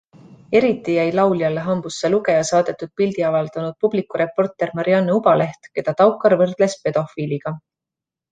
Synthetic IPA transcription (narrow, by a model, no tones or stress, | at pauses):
e̞ɾit̪ːˑijæjlɑwljɑlːeɦɑmb̥usːeluɡe̞jɑsɑːd̪̥e̞t̪ːˑud̪̥̚pild̪̥iɑvɑld̪̥ɑnud̪̥̚publikːˑuɾe̞pːo̞rt̪ˑe̞rmɑɾiɑnːeubɑle̞ht̪ke̞d̪̥ɑt̪ɑwkːɑɾvɤrd̪̥le̞spe̞d̪̥o̞fiːliɡ̥ɑ